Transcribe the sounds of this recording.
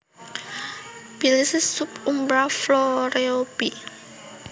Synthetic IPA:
b̥ilisɪsːupumbɾafloɾeob̥i

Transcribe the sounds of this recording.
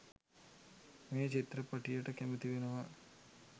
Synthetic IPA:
meːt͡ʃit̪ɾəpaʈijəʈəkæmut̪iʋenəʋa

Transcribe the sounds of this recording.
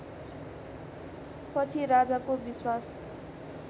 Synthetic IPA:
pʌt͡sʰiɾad͡zakobiswas

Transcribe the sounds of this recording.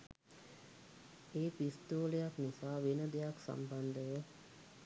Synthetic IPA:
eːpist̪oːlejaknisaːʋenəd̪ejaksa̰mband̪əʋə

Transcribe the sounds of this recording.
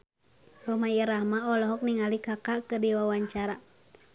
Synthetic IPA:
sɔmajəɾahmaɔlɔɦɔk̚niŋalikakakədiwawaɲt͡ʃaɾa

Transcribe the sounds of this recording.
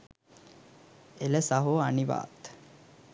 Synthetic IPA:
eləsaɦoaniʋa̰ːt̪

